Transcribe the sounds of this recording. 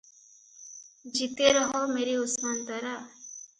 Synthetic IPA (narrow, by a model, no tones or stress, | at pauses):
d͡ʒit̪eɾɔɦomeːɾiʊsmant̪aɾa